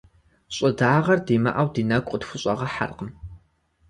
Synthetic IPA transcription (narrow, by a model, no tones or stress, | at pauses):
ɕʼɪdaːʁɐrdiːmɐ̰ʔɐwdiːnɐkʷʼətxʷʊɕʼɐʁɐħa̰rqəm